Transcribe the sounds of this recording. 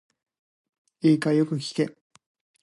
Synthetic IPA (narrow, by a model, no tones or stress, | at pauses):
iːkajo̞kɯ̟kʲi̥k̪e